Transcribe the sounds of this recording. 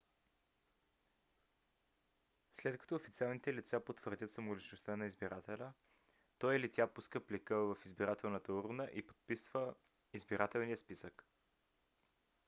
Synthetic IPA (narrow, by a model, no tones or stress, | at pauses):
slɛt̪kɐ̥t̪oːfit̪sialˠnit̪ɛlit̪sapot̪vəɾd̪ʲət̪səmolit͡ʃnost̪ənɐizbiɾʔat̪ɛlʲə | t̪ɔjilit̪ʲjapuskəplikəvəfizbiɾat̪ɛlˠnət̪əuɾunəʔipo̥t̪̚pisv̥ə | izbiɾʔat̪ɛlˠniəspisək